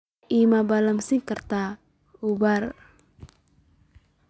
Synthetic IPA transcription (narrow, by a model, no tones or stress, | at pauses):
ʔimabaləmsikərt̪a | ubar